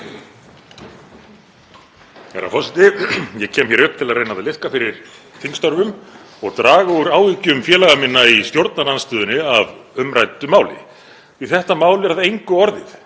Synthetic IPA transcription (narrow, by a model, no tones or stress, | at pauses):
ɛ̰ɾa̰fɔsɛt̪ɪjɛcʰɛːmçjɛɾʏhp̚t̪ʰɪlaðrejnaðalɪhkafɪɾɪɾ̥ | θʰiŋkst̪ɔɾvʏm | ɔɣt̪ɾaːɣauɾaːwvicʏmfjɛːlaɣamɪnːaist̪jowɾt̪̚naɾlanst̪ʏːðʏnɪavʏmɾajt̪ʏmaːwlɪ̰ | iθɛht̪amaːwlɛɾaðejŋkʏɔɾðɪθ